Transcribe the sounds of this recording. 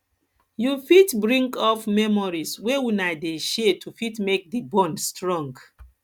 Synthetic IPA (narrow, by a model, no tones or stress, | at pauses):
jufitbɹĩŋkɔfmɛmɔɹiswewinadeʃetʰufitmek̚dibɔ̃nstɹɔ̃ŋɡ